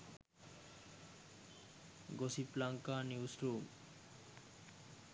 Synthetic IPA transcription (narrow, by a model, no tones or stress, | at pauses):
ɡosiplaŋkaniusɾum